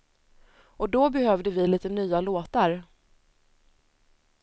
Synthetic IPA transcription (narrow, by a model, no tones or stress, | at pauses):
ɔd̪ɔbɛhœːvd̪əvɪliːt̪ənyːaloːt̪aɾ